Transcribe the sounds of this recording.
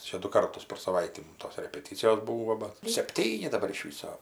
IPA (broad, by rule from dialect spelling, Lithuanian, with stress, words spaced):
ˈt͡ʃʲɛ dʊ ˈkɐrtʊs pʲɛr sɐˈʋɐɪtʲiː ˈmʊm toːs rʲɛpʲɛˈtʲiːt͡sʲɪjoːs ˈbuːʋoː bɐ sʲɛpʲˈtʲiːnʲɪ dɐˈbɐr ɪʃ ˈʋʲiːsoː